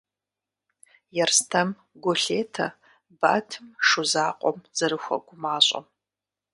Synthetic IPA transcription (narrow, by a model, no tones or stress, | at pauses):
jɛrstʰɐm | ɡʷoɬeːtʰɐ | ba̰ːtʰɨmʂʊzaːqʷʼɔ̰mz̥ɐɾɨxʷɐ̰ɡ̥ʷʊmaːɕʼɐ̰m